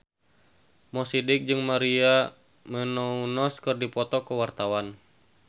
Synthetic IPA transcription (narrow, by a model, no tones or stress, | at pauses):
mɔsidɪk̚d͡ʒɨŋmaɾia | mənɔunɔskɨrdipɔt̪ɔkəwart̪awan